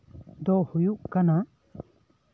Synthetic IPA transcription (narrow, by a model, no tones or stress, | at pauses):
d̪ɔhujuʔkana